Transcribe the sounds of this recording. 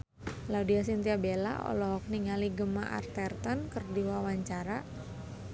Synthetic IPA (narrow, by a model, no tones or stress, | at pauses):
laudias̬int̪iabela̰ʔɔ̰lɔɦɔk̚niŋaliɡəmaʔa̰rt̪ɛrt̪ɔnkərdiwawaɲt͡ʃaɾa